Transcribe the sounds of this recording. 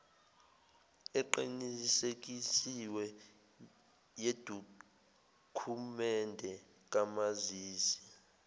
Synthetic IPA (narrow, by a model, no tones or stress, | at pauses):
ɛǃinisek̬isiwɛ | jed̥ʱu | kʰumɛndʱɛ | k̬ʼamaziːsi̥